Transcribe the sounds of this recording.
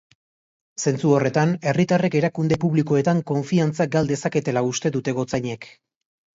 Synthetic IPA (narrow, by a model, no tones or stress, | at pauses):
se̞nt͡suo̞re̞t̪ane̞rit̪are̞ke̞ɾakund̪e̞puβliko̞e̞t̪aŋko̞ɱfiant͡saɡald̪e̞sake̞t̪e̞laust̪e̞ðut̪e̞ɣo̞t͡saɲe̞k